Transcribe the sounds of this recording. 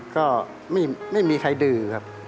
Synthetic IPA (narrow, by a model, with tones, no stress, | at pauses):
kɔː˥˩ | ma˥˩jma˥˩jmiː˧kʰa˧jdɯː˧˩kʰa˦˥p̚